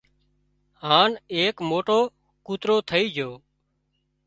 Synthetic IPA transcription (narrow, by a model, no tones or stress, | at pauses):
ɦaːneːkmoːʈoː | kuːt̪ɾoːt̪ʰəiːd͡ʒʱoː